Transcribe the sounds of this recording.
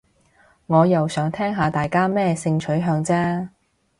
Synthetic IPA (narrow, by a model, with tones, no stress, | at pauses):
ŋɔː˨˧jɐ˨wsœː˨˥ŋt̪ʰɛː˥ŋɦaː˨˧t̪aː˨jkaː˥mɛː˥sɪ˧ŋt͡ʃʰɵ˨˥jɦœː˧ŋt͡sɛː˥